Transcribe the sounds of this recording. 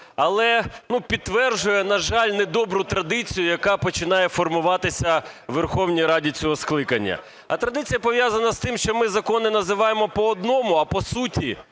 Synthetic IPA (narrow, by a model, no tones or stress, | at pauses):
ɐlˠɛnupʲid̪ːʋɛrʒʊjɛnɐʒɑlʲnɛd̪ɔbɾʊt̪ɾɐd̪ɪt͡sʲijʊjɐkɑpɔt͡ʃɪn̪ɑjɛfɔrmʊʋɑt̪ɪsʲɐʋerxɔwnʲijɾɑdʲit͡sʲɔɦɔsklˠɪkɐnʲːɐ̰ | ɐ̰t̪ɾɐd̪ɪt͡sʲijɐpɔʋʲjazɐnɐst̪ɪmʃt͡ʃɔmɪzɐkɔnɪnɐzɪʋɑjemɔpɔːd̪nɔmʊɐpɔsutʲi